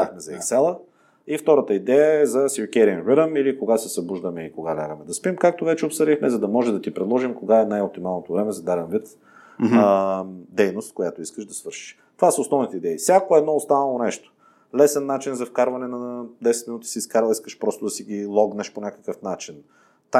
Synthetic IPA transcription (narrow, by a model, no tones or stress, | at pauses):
xmɛzɐiksɛlˠə | ift̪ɔɾət̪əid̪ɛjəɛzɐsikʲɛɾiənviɾəmilikoɡasɛsɐbuʒd̪əmɛikoɡalʲaɡəmɛd̪ɐspimkak̚t̪ovɛt͡ʃɛopsəd̪ixmɛzɐd̪ɐmɔʒɛd̪ɐt̪ipɾɛd̪lˠɔʒimkoɡaɛnajop̚t̪imalˠnot̪ovɾɛmɛzɐd̪ad̪ɛnvit̪ | d̪ɛjnost̪kojat̪oiskəʃd̪ɐsvəɾʃi̥ʃ | t̪ovasɐosnɔvnit̪ɛid̪ɛifsʲakoɛd̪nɔost̪anɐlˠonɛʃt̪o̥ | lɛsɛnːat͡ʃinzɐfkaɾvɐnɛnɐd̪ɛsɛt̪minut̪i̥siskaɾlˠiskəʃpɾɔst̪ʊd̪ɐsiɡʲilˠɔɡnəʃponʲakə̥kəfnat͡ʃin | t̪a